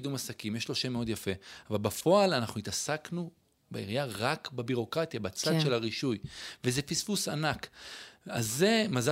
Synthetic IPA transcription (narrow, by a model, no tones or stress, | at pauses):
dumasakimjeʃloʃemeo̞d̪jafe̞avalbafo̞alanaχnuit̪asaknu | beiʁjaʁakbebiʁo̞kʁat̪jabat͡sad̪ʃelaʁiʃujvezefisfusanak | a̰zemaza